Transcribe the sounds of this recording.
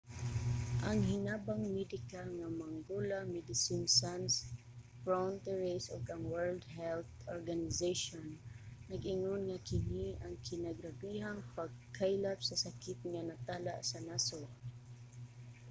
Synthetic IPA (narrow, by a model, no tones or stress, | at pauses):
ʔaŋhɪnaːbaŋmɛd̪ɪkaŋamaŋɡolamɛd̪ɪsinsans | fɹant̪ɛɹisoɡaŋwɛɹld̪hɛlθɔɹɡanɪzeʃɔnːaɡʔɪŋonŋakɪniaŋkʰɪnaɡɾabiɦaŋpaɡ̚kʰajlapsasakɪt̪̚ŋanat̪aːlaʔsanaso